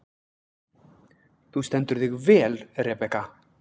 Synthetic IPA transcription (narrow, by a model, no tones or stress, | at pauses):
θust̪ɛnt̪ʏɾðɪɣvɛːlrɛpɛka